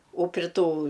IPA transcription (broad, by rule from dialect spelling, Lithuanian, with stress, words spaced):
oː pʲrʲɪ ˈtuː